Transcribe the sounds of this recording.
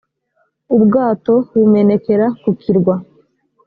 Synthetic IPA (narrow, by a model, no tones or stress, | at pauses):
ubɡaːto̞βume̞ne̞ke̞ɾakukʰiɾɡwa